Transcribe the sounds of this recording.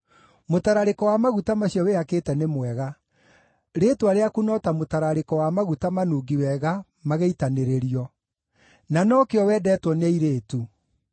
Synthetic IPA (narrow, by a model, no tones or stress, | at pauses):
motaɾaɾekɔwamaɣutamaɕjɔweakeːtɛnemwɛɣa | ɾetuaɾeakunɔtamotaɾaɾekɔwamaɣutamanuːɡiwɛɣa | maɣeitaneɾeɾiɔ | nanɔkeɔwɛːdɛːtwɔneiɾeːtu